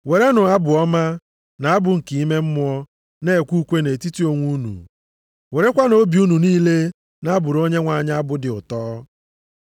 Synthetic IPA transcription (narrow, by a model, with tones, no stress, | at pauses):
we˨ɾe˦nʊ˨a˦bʊ˨ɔ˦ma˦ | na˨a˦bʊ˨ŋ̩˨ki˨i˦me˦m̩˦mʊ˦ɔ˦ | ne˦˨e˨kʷu˦kʷe˦ne˨ti˦ti˦o˨ŋʷu˦nṵ˨ | we˨ɾe˦kʷa˦no˦bi˨u˦nu˨niː˦le˦ | na˦bʊ˨ɾo˦ɲe˦ŋʷa˨ɲ˦a˦bʊ˨dɪ˨ʊ˨tɔː˦